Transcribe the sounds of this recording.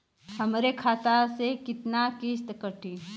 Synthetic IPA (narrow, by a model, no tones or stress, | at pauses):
ɦɐmɾekʰaːt̪asekɪt̪nakist̪kəʈi